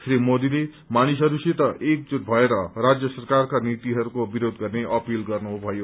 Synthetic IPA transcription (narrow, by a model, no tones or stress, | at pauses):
srimod̪ile | manisɦʌɾuset̪ʌʔek̚d͡zunbʱʌeɾʌrad͡zjʌsʌrkarkanit̪iɦʌɾukobiɾod̪ɡʌrneʔʌpilɡʌrnubʱʌjo